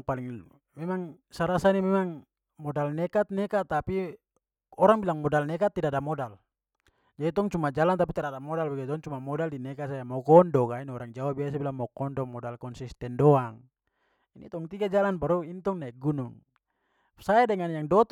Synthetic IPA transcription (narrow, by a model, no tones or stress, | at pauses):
paliŋ | mɛmaŋ | saɾasanimɛmaŋ | mɔdalnɛkat̪̚nɛkat̪api | ɔɾaŋbilaŋmɔdalnɛkat̪ːidadamɔdal | d͡ʒadit̪ɔŋt͡ʃumad͡ʒalant̪ap̬it̪ɛɾadamɔdalbaɡɛt̪ɔŋt͡ʃumamɔdaldinɛkasajamɔkɔndɔkainiɔɾaŋd͡ʒawabias̬abilaŋmɔkɔndɔmɔdalkɔnsist̪ɛndɔaŋ | init̪ɔŋt̪iɡad͡ʒalanpaɾuint̪ɔŋnaɛɡunuŋ | saɛdɛŋanjaŋdɔt̪